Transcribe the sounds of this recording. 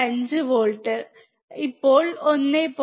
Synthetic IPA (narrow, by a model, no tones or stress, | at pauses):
ɐɲd͡ʑɨʋoːɭʈːɨ | ipːoːɭonːeːpo